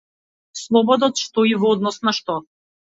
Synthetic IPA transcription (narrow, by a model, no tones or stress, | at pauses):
slˠɔbɔd̪ɔt̪ʃt̪ɔivɔd̪nɔsnaʃt̪ɔ